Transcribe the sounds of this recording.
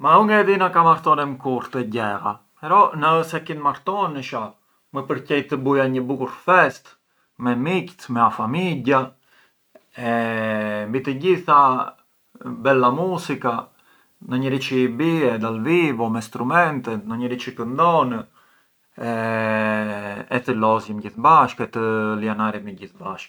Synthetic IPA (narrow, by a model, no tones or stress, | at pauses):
maɾɔŋɡad̪inakamaɾt̪ɔnɛmkuɾt̪ɛɟɛɾa̰ | ɛɾɔnəsɛkinmaɾt̪ɔnəʃa | məpəɾcɛjt̪əbujaɲəbukuɾfɛst̪ | mɛmict̪mɛafamiɟa | ɛ | mbit̪əɟiθa | bɛlamusika | nəɲəɾit͡ʃibiɛd̪alvivɔmɛst̪ɾumɛnt̪ɛt̪nəɲəɾit͡ʃikənd̪ɔn | ɛ | ɛt̪əlɔzjəmɟiθbaʃkɛt̪əlianaɾimɛɟiθbaʃk